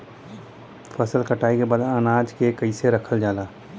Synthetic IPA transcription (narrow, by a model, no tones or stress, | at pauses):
pʰɐsəlkɐʈaːikebad̪ənaːd͡ʒkekəiseɾɐkʰəld͡ʒaːlaː